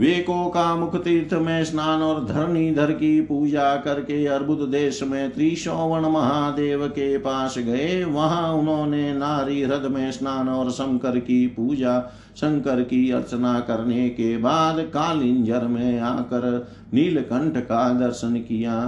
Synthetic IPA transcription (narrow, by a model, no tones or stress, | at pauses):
ʋeːkokamʊkʰət̪iːɾt̪ʰmẽsnaːnɔːɾd̪ʱɐɾmid̪ʱəɾkipuːd͡ʒakɐɾkeɐɾbʱʊt̪d̪eːʃmẽt̪ɾiːʃɔːʋənmɐɦaːd̪eːʋkepaːsɡɐeʋɐɦãʊnɦõːnenaːɾiɾəd̪mẽsnaːnɔːɾsə̃ŋkəɾkipuːd͡ʒa | sə̃ŋkəɾkiɐɾt͡ʃənakɐɾnekebaːd̪kaːlɪ̃nd͡ʒəɾmẽaːkəɾ | niːlkə̃ɳʈʰkad̪ɐɾʃənkijaː